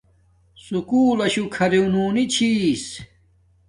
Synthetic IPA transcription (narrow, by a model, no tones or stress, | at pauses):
sukuːlɐɕukʰɐɾeunuːnit͡ɕʰis